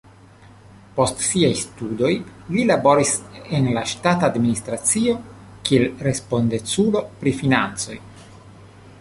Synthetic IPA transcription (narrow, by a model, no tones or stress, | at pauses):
po̞stsiajstudo̞jlilabo̞ɾisenlaʃtatadminist̪ɾat͡sio̞ | kielɾe̞spo̞nd̪et͡sulo̞pɾifinant͡so̞̰j